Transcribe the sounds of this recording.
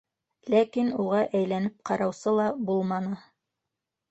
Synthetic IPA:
lækinuʁɑʔæjlænɘp̚qɑɾɑwsɤlˠɑbulˠmɑnɤ

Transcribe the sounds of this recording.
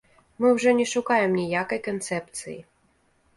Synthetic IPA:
mɨwʐɔnʲɛʂukajɛmnʲijakɐjkɐnt̪sɛpt̪sɨ̰jḭ

